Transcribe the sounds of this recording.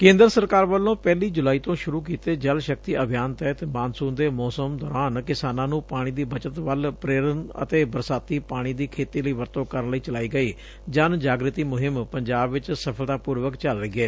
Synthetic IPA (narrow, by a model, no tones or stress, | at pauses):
kẽːnd̪əɾsəɾkaːɾʋəlːõːpɛːliːd͡ʒʊlaːiːt̪õːʃʊɾuːk̬iːt̪eːd͡ʒəlʃək̚t̪iːəbʱjaːnt̪ɛːt̪maːnsuːnd̪eːmɔːsəmd̪ɔːɾaːnkɪsaːnãːnũːpaːɽ̃iːd̪iːbət͡ʃət̪ʋəlpɾeːɾənə̰t̪eːbəɾsaːt̪iːpaːɽ̃iːd̪iːkʰeːt̪iːləiːʋəɾt̪õːkəɾənləiːt͡ʃəlaːiːɡəiː | d͡ʒənd͡ʒaːɡɾɪt̪iːmʊɦɪmpəɲd͡ʒaːbʋɪt͡ʃsəpʰəlt̪aːpuːɾʋəkt͡ʃəlɾəiːɡɛː